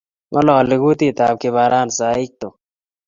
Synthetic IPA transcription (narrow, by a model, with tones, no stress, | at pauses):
mʔɐ˦lɔː˨lɪ˨ɡu˦t̪i˦˨t̪aː˨b̚kɪ˨βaː˨ɾʔaː˦nsaː˨ɪ˦k̚t̪o˨